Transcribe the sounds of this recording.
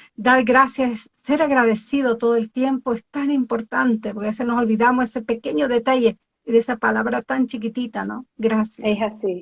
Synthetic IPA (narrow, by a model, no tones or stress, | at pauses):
d̪aɾɡɾasjass | se̞ɾaɣɾaðe̞siðot̪o̞ðoelt̪je̞mpoest̪animpo̞ɾt̪ant̪epoɾkeasenoso̞lβiðamosesepeke̞ɲoðet̪aʝe | iðesapalaβɾat̪ant͡ʃik̬it̪it̪anoɡɾasjaesasi